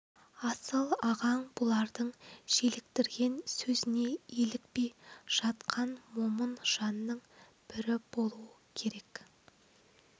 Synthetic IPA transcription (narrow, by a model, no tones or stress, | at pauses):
ɑsəlˠɑʁɑɴbʊlˠɑɾd̪əɴʒe̞lɪk̚t̪ɪɾɡʲe̞nsɵzɪne̞elɪk̚pe̞jʒ̥ɑt̪qʰɑnmo̞mənʒ̥ɑnːəɴ | b̥ɪɾɪb̥o̞lˠuəkʲʰe̞ɾe̞k